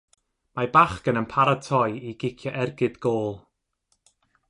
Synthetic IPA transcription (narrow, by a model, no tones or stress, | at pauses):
mabaχkənənpʰaɾatʰɔjiɡɪkʰjɔʔɛrɡɨd̥ɡoːlˠ